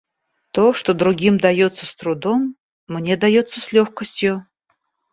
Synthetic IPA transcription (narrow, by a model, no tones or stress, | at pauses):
t̪oʂt̪od̪ɾʊɡʲimd̪ɐjot̪sːəst̪ɾʊd̪omː | nʲe̞d̪ɐjot̪sːəsʲlʲoxkəsʲtʲjʊ